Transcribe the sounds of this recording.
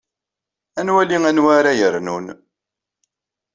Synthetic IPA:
ænwæliŋænwaɾajəɾnun

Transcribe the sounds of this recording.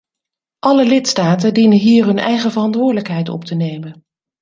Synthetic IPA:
ʔɑləlɪtstaːtəndinənɦiːɹɦɵnʔɛ̰jχəvərɑntʋʊːɹdələkɦɛjtɔ̰ptənejmən

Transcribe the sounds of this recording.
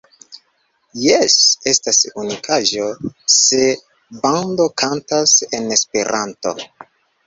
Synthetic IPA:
jese̞stasunikʰaʒo̞se̞ | bando̞kʰantase̞ne̞spe̞ɾʔanto̞̰

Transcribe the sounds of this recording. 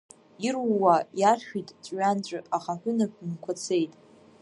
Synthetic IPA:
irwːajarχᶣitʼt͡sʷʼɥant͡ɕʷʼɨaχaħʷᶣʊnapʷʰnkʷʰat͡sʰe̞jtʼ

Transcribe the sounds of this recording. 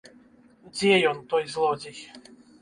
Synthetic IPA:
d͡zʲjɛjɔnt̪ɔjzlˠɔd͡ʑʲix

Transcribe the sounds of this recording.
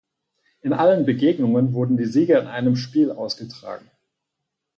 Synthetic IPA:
ʔɪnʔalənbəɡeːɡnʊŋənvʊɐdn̩diːziːɡɐɪnʔaɪnəmʃpiːlʔa̰ʊsɡ̥ətʁ̥a̰ːɡŋ̩

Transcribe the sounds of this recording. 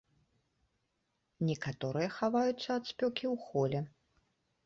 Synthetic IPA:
nʲɛkat̪ɔɾɨjɐxavajut̪sːɐːt̪sʲpʲɔkʲiwxɔlʲɛ

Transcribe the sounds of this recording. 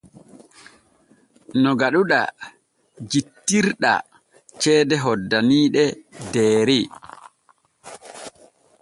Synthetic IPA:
nɔɡaɗuɗa̰ | d͡ʒitːiɾɗa̰ | t͡ʃɛːdɛɦɔdːaniːɗɛdɛːɾi

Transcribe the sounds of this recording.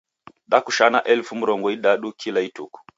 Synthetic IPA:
ɗakuʃanaʔɛlfum̩ɾɔŋɡɔiɗaɗukʰilaituku̥

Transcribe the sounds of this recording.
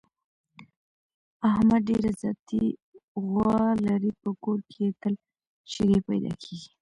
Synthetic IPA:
ahmad̪̚ɖeɾazjɑt̪iɣwɑlaɾipəkoɾkeet̪əl | ʃeɾepajd̪ɑ̰kʰeɡi

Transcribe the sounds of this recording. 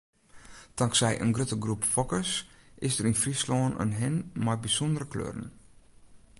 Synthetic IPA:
d̥ɑŋksɛjʔə̰nɡrøtəɡrupfɔkəsʔɪsdərinfrislɔːnə̰nɦɪnmajbisɔndəɾəklø̰ːrə̰n

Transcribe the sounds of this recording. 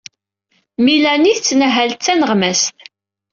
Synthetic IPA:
milæniθt͡sːnəɦælt͡sːænəʁmæst̪

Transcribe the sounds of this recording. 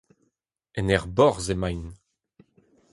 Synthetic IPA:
ɛnɛʁbɔʁzemajn

